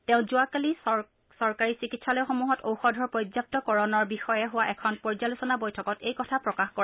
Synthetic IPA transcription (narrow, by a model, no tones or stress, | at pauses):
tɛ̃ʊ̃zʊakali | sɔɹkaɹisikitsalɔjxomuɦɔtʰowxɔdʱɔɹpɹojd͡ʒzap̚tɔkɔɹɔnɔɹbixɔjɛɦʊwaʔɛkʰɔnpɔɹzalusɔnabojtʰɔkɔtejkɔtʰapɹɔkaxkɔ